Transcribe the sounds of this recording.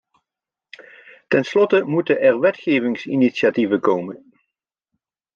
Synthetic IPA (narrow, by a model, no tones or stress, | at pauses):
tɛnslɔtəmutəʔɛɹʋɛtχejvɪŋsḭniʃativəkowmən